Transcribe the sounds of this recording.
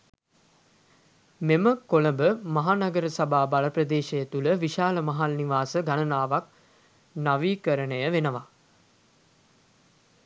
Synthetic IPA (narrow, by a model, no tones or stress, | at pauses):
meməkoləbəmaɦanaɡəɾəsabaːbalaprəd̪eːʃejət̪uləʋiʃaːləmaɦalniʋaːsəɡanənaːʋak | naʋiːkəɾənəjəʋenəʋa